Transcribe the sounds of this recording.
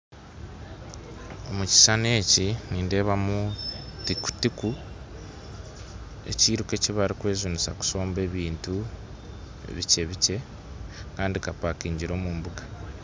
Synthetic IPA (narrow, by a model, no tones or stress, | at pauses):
o̞muci̥sane̞ːciniːnde̞ːβamutiku̥tiku | e̞̰ciːɾuke̞ciβaɾikwe̞ːzunisaku̥so̞ːmbe̞ːβiːntu | ḛβice̞βice̞ | kaːndikapakiːɲɟiɾo̞ːmuːmbuɡḁ